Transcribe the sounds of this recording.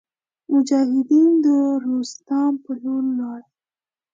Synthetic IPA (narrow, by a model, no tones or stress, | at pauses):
mʊd͡ʒɑhɪd̪ind̪əɾost̪ɑmpəlulːɑɽ